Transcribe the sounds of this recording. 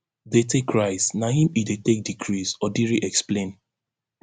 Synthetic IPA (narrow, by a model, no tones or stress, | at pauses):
detekɹaɪsnaĩmidetek̚dikʰɹisɔdiɹiʔɛksplẽn